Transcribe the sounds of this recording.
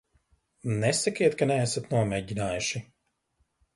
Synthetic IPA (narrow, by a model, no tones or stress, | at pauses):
nɛsakiɛt̪kanɛasat̪nuɔmɛːɟinaːjuʃi